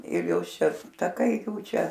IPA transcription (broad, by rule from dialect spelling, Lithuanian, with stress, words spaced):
ɪr ˈjoːs ˈʃʲɛ tɐˈkɐɪ ˈjuː ˈt͡ʃʲɛ